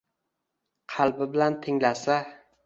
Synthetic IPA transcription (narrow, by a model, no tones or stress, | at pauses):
qʰɑlˠbɪbɪlant̪ʰɪŋlasa